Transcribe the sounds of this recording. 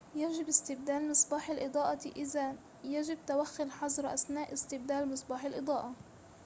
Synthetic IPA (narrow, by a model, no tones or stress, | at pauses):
jaʒɪbɪst̪ɪb̚d̪aːlmɨsˤbɑːħalʔɨd̪ˤɑːʔɑt̪iʔɪza | jaʒɪb̚t̪awaxːʊlħɑzˤɾʔa̰snaːʔɪst̪ɪb̚d̪aːlmɨsˤbɑːħɪlʔɨd̪ˤɑːʔɑ